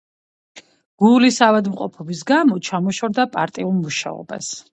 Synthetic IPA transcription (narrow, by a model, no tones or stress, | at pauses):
ɡ̥ulisavad̪mqʼɔpʰɔbisɡamɔt͡ʃʰamɔʃɔɾd̪apʼaɾt̪ʼiulˠmuʃa̰ɔ̰ba̰s